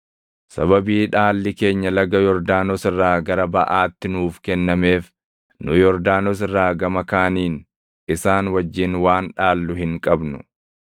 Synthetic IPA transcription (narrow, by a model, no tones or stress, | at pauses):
sɐbɐbiːᶑaːlːɪke̞ːɲːɐlɐɡɐjɔɾd̪aːnɔsɪrːaːɡɐɾɐbɐ̰ʔaːt̪ːɪnuːfkɛnːɐme̞ːf | nʊjɔɾd̪aːnɔs̬ɪrːaːɡɐmɐkaːniːn | ɪsaːnwɐd͡ʒːɪnwaːnᶑaːlːʊhɪŋkʼɐbnʊ̥